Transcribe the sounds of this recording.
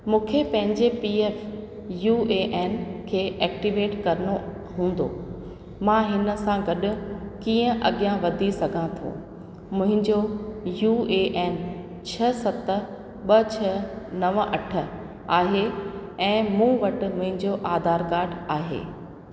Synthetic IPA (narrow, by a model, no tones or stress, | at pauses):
mũːkʰepɐ̃ɦɪ̃ɲd͡ʑepiːeːf | juːeʔɛːnkʰeːʔɛːk̚ʈiʋeːʈkɐɾəno | ɦũːn̆d̪o̰ | mãɦɪnə̆sãɡɐɗʊ̆kiːə̃ʔɐɠijãʋɐd̪ʱisɐɡʱãt̪ʰõ̰ː | mʊ̃ɦɪ̃ɲd͡ʑojuːeːʔeːn | t͡ɕʰɐsɐt̪ə | ɓɐt͡ɕʰɐnɐʋʔɐʈʰə̆ | aːɦeɛ̃ːmũːʋɐʈɪ̆mʊ̃ɦɪ̃ɲd͡ʑoʔaːd̪ʱaːɾkaːɾɖaːɦḛː